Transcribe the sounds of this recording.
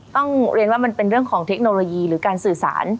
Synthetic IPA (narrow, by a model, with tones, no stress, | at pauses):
t̪ɔ˥˩ŋɾi˧ənwaː˥˩ma˧npe˧nɾɯ˥˩əŋkʰɔː˩˦ŋt̪ʰe˦˥k̚noː˧loː˧jiː˧ɾɯː˩˦kaː˧nsɯː˨˩sa̰ː˩˦n